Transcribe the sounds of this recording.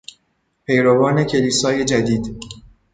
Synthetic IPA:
pʰe̞jɾovɒːne̞cʰe̞liːsɒːje̞d͡ʒæd̪iːd̪

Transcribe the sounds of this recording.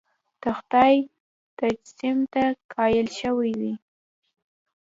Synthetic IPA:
d̪̥əxt̪ɑj | t̪ad͡ʒsimt̪akʰɑjəlʃəwajwi

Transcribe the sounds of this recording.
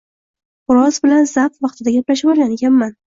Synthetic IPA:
ʊɾɒzbɪlanzap̪vɑqt̪ʰɪd̪aɡʲaplaʃɪbɒɾˠɡʲaneɡʲanman

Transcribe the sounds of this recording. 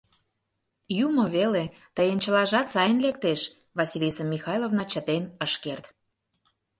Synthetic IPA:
jumŏβele | t̪əjənt͡ɕəlɑʒɑt̪sɑjənlek̚t̪eʃ | vɑsilʲisəmːixɑjlˠovnɑt͡ɕət̪enəʃkert̪

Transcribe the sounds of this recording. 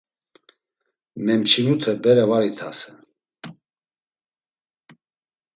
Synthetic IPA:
mɛmt͡ʃʰinut̪ʰəbɛɾɛvaɾit̪ʰasɛ

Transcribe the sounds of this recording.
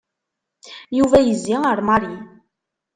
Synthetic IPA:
juvæjəzːiəɾˤmaɾi

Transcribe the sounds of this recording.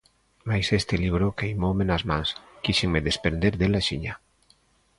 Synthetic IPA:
majsest̪eliβɾokeimomenazmaŋskiʃeŋmeðespɾend̪eɾðelaʃiɲa

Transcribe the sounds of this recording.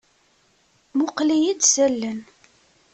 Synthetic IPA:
mʊqlijid̪sælːən

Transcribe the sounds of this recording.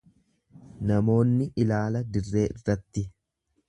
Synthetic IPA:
nɐmo̞ːnːɪʔɪlaːlɐd̪ɪrːe̞ːʔɪrːɐt̪ːɪ

